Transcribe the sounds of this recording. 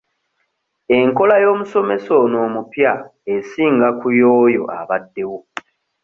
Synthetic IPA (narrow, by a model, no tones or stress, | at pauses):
e̞ŋko̞lajo̞ːmuso̞me̞so̞no̞ːmupjaesiːŋɡakujo̞ːjo̞̰ʔa̰βadːe̞wo